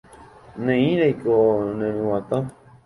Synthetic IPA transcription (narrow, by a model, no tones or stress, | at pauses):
nẽĩɾajkonẽnũwãt̪ã